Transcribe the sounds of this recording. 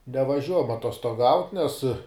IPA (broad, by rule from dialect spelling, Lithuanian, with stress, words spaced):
nʲɛʋɐˈʒʲuɔjɛm ɐtoːstoːˈɡɐʊtʲ nʲɛs